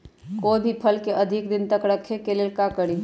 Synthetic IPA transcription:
kobʱipʰəlkeʔɐd̪ʱɪkd̪ɪnt̪əkɾəkʰːekelelkakəɽi

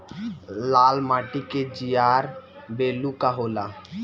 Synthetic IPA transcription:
laːlmaːʈiked͡ʒijaːɾ | beːlukaɦoːla

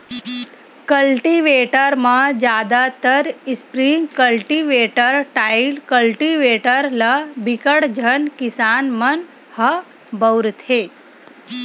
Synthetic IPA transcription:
kəlʈiʋeːʈəɾmãd͡ʒjaːd̪at̪əɾɪspɾiŋɡkəlʈiʋeːʈəɾʈaːilkəlʈiʋeːʈəɾlɐbɪkəɽd͡ʒʱənkɪsaːnmɐn | hɐ | bəwɾt̪ʰeː

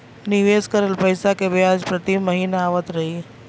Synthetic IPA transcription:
niʋeskəɾeːlpəjsakebiad͡ʒpɾət̪imːəɦiːnaaʋət̪ɾɐɦi

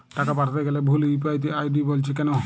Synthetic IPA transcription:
ʈakapaʈʰat̪eɡɛlɛbʱulip̬ajt̪̬iajdibolt͡ʃʰikɛno

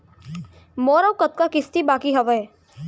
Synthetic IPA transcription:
mɔːɾawkɐt̪̚kakɪst̪ibaːkiɦɐʋəe

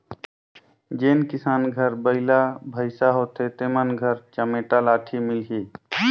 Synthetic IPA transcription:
d͡ʒeːnkɪsaːnɡʱəɾbəɪlabʱəɪsaɦoːt̪et̪eːmənɡʱəɾt͡ʃəmeːʈalaːʈʰimɪlɦiː

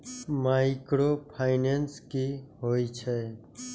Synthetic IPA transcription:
maɪkɾopʰaɪnenskiɦojt͡ʃʰɛ

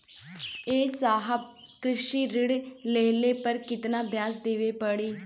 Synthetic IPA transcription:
eːsaːɦəb̚ | kɾɪʃiːɾɪɽleːleːpəɾkɪt̪nãːbjaːsd̪eːʋeːpəɽiː

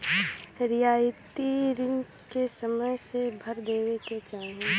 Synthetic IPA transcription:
ɾɪjaːɪt̪iɾɪ̃ŋɡ | kesəməjsebʱəɾd̪eːʋeket͡ʃaːɦẽ

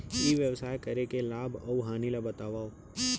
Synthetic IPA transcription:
jiʋjəʋsaːjkɐɾekelaːbʱɔʋɦaːnilabɐt̪aːʋaːo

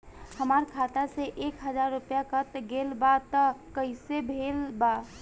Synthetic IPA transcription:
həmaɾkʰat̪aseʔekɦəd͡ʒaɾːupjakət̪ɡelbat̪əkəɪsebʱelba

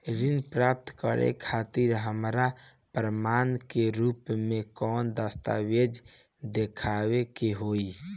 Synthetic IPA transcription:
ɾinpɾap̚t̪kə̰ɾḛkʰat̪iɾɦəmɾa | pɾəmankeɾupmekɔnd̪əst̪a̰wed͡ʒ | d̪ekʰawekeɦoi

